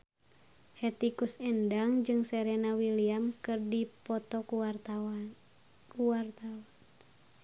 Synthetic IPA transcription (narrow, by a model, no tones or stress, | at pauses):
hɛt̪ikusɛndaŋd͡ʒɨŋsɛɾɛnawiliamkɨrdipɔt̪ɔku | kuwart̪awan